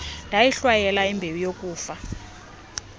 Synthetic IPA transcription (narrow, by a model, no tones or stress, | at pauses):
ndʱajiɬwajɛlaimbʱewijokʼuːfa